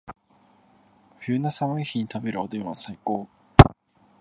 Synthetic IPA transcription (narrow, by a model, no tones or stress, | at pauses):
ɸjɨːnasaβaiçiɲ̟it̪abe̞ɾɯ̟od̪eɯ̃βasaikoː